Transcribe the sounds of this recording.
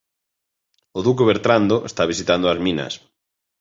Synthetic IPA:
ʊðuk̬eβeɾt̪ɾand̪oʔḛst̪aβ̞isit̪and̪oazmĩnɐ̰s

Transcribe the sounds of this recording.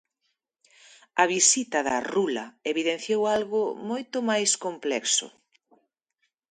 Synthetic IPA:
ɐβisit̪ɐðɐrulɐeβiðenθjowalɣʊmojt̪ʊmajskomplɛksʊ̰

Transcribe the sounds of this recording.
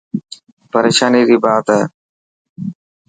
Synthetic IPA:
pəɾeːʃaːniːziːbaːt̪ɦɛː

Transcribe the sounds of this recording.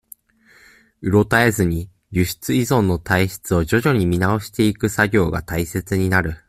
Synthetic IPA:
ɯ̟ɾo̞t̪ae̞zɨɲ̟i | ɾʲɨɕi̥t͡sɨizõ̞nːo̞t̪aiɕi̥t͡sɨo̞ʑo̞ʑo̞ɲ̟imʲinao̞ɕi̥t̪e̞ikɯ̟saɡʲo̞ːɡa̰t̪aise̞t͡sɨɲ̟inaɾɯ̟

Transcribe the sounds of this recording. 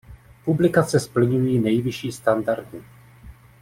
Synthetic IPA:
publɪkat͡sɛspl̩ɲujiːnɛjvɪʃiːst̪andaɾdu

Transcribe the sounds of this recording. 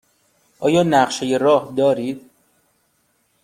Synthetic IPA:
ʔɒːjɒːnæɢʃejeɾɒːhd̪ɒːɾid̪̥̚

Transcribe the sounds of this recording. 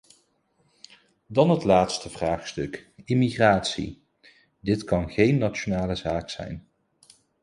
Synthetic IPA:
dɑnɦətlaːtstəvraːχstɵkɪmiχraːtsḭ | dɪtkɑnχejnːat͡ʃonaːləzaːksɛ̰jn

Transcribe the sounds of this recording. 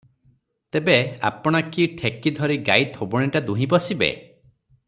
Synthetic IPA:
t̪ebea̰pɔɽ̃akiʈʰekid̪ʱɔɾiɡajt̪ʰobɔɽ̃iʈad̪uɦĩpɔsibḛ

